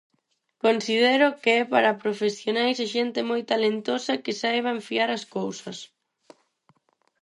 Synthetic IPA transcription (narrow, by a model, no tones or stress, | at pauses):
konsið̞ɛɾʊkeɛpaɾapɾofesjonajsaʃɛnt̪ɪmojt̪alent̪osɐkɪsajβ̞aɱfiaɾɐskowsɐs